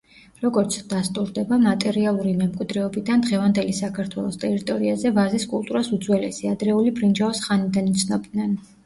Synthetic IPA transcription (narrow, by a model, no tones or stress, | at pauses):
ɾɔɡɔɾt̪sʰd̪̥ast̪ʼuɾd̪ɛbamat̪ʼɛɾialˠuɾimɛmkʼid̪ɾɛɔbid̪and̪ʁɛvand̪ɛlisakʰaɾt̪ʰwɛlˠɔst̪ʼɛɾit̪ʼɔɾiazɛvaziskʼulˠt̪ʼuɾasud̪zwɛlɛ̰siad̪ɾɛulibɾind͡ʒavɔsχanid̪anit̪sʰnɔbd̪nɛn